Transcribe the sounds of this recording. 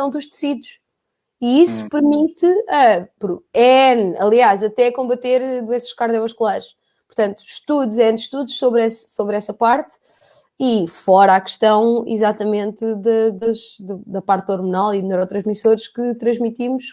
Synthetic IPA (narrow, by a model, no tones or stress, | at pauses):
sɐ̃w̃d̪uʃt̪siðuʃ | iisu̥pɨɾmit̪ɨapuɾɛnɐ̰lˠiaʃɐt̪ɛkõmbɐt̪eɾesʃkaɾðjɔvɐʃkulˠaɾʃ | puɾt̪ɐ̃nt̪u̥ʃt̪uðuzɛ̃nd̪ʃt̪uðuʃsoβɾɛssoβɾɛsɐpaɾt̪ | ifɔɾakɨ̥ʃt̪ɐ̃w̃ḭzat̪ɐmẽnt̪ɨd̪ɐd̪ɐʒd̪ɐd̪ɐpaɾt̪oɾmunalˠiðnɔɾɔt̪ɾɐ̃ʒmisoɾʃkɨt̪ɾɐ̃ʒmit̪imuʃ